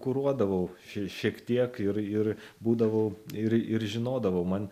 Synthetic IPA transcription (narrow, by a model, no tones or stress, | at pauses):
kʊɾuɔd̪ɐʋɐʊʃʲʃʲiɛkt̪ʲiɛkɪɾɪɾbuːd̪ɐʋɐʊɪɾɪɾʒʲɪnoːd̪ɐʋɐʊmɐn